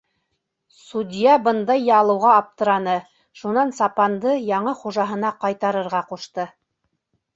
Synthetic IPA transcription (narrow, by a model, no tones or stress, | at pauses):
sud̪ʲijɑbɤnd̪ɑjːɑlˠɤ̆wʁɑːp̚t̪ɤ̆ɾɑnɤ | ʃunɑnsɑpɑnd̪ɤjɑɴɤχuʒɑɦɤ̆nɑqɑjt̪ɑɾɤ̆ɾʁɑquʃt̪ɤ